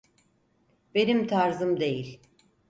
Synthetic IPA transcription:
be̞nimt̪ʰaɾzɯmd̪e̞jilʲ

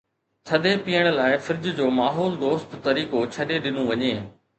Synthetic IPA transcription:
t͡ɕʰɐd̪epijəɽ̃̆laːɪfɪɾɪd͡ʑ̆d͡ʑoːmaːɦɔːld̪oːst̪t̪ɐɾiːkot͡ɕʰɐɗeɗɪnõʋɐɲeː

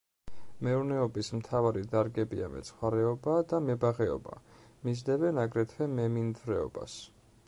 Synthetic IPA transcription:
mɛuɾnɛɔbismt̪ʰavaɾid̪aɾɡɛbḭa̰mɛ̰t̪sʰχwaɾɛɔbad̪amɛbaʁɛɔ̰ba̰mizd̪ɛvɛnaɡɾɛt̪ʰvɛmɛmind̪zɾɛɔ̰ba̰s

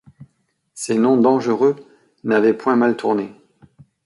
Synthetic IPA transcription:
sɛnɔ̃d̪ɑ̃ʒəʁø | navɛpwɛ̃malt̪ʰuʁne

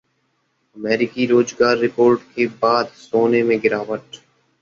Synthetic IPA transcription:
əmɛːɾɪkiɾoːzɡaːɾːɪpoːɾʈkebaːd̪soːnemẽɡɪɾaːʋəʈ

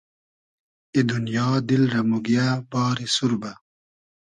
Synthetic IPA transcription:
id̪unjɑːd̪ilɾɐmuɡijabɑːɾisuɾba

